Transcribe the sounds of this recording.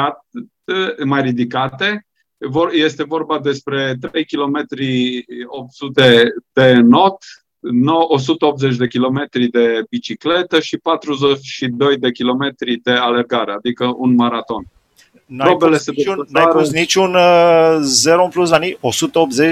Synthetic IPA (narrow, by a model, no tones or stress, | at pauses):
a | majrid̪ikat̪e̞ | voje̞st̪e̞vo̞rbad̪e̞spɾe̞t̪ɾe̞jkʲilo̞me̞t̪ɾiop̚t̪sut̪e̞d̪̥e̞no̞t̪ | nowʔos̬ut̪əo̞p̚t̪ze̞t͡ʃ̬ʲd̪e̞kʲilo̞me̞t̪ɾid̪e̞bit͡ʃikle̞t̪əʃipat̪ɾuzet͡ʃʃid̪o̞jd̪e̞kʲilo̞me̞t̪ɾid̪e̞ale̞rɡaɾead̪ikəʔunmaɾat̪o̞n | naɾobelesed̪enajaɾosnit͡ʃun | zeɾompluslaniosut̪əop̪̚ze